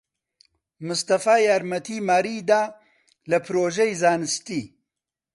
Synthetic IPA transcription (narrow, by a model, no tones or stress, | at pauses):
mɨst̪ɐfaːjaːɾmɐt̪ʰimaːɾid̪aː | lɐpʰɨɾoːʒejzaːnɨst̪iː